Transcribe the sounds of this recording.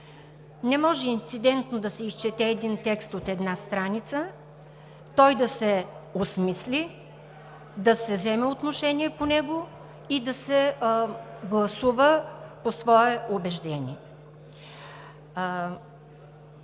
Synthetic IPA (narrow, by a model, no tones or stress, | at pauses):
nɛmɔʒɛint̪sid̪ɛnt̪nod̪ɐsɛist͡ʃɛt̪ɛːd̪int̪ɛkst̪ot̪ɛd̪nast̪ɾanit̪sə | t̪ɔjd̪ɐsɛosmislʲi | d̪ɐsɛzɛmɛot̪noʃɛniɛponɛɡo | id̪ɐsɛ | ɡlˠɐsuvəposvɔɛʔobɛʒd̪ɛnʲḭɛ